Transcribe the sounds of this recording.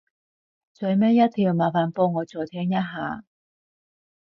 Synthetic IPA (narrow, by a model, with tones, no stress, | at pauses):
t͡sœ˨˧jmɛː˥jɐ˥t̪ʰiː˨˩wmaː˨˩faː˨npo˧ŋɔː˨˧t͡sɔː˨˩t̪ʰɛː˥ŋjɐ˥t̚ɦaː˨˧˥